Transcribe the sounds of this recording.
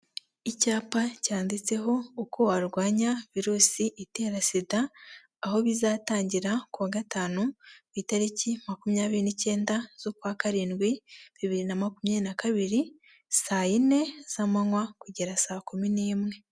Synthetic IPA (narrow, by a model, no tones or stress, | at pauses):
icaːpacaːndit͡se̞ɦo̞ːkʰo̞waɾɡwaːɲaviɾuːsiʔite̞ːɾasidaː | ho̞βizaːtaːɲɟiɾakuβaːɡataːnuβitaɾicimakumjaːβiɾinice̞ːndaz̥okwaːkaɾiːnɡwiβiβiɾinamakumjanakaβiɾi | saːjine̞z̥amaŋwakuɟeɾasaːkuminiːmŋe̞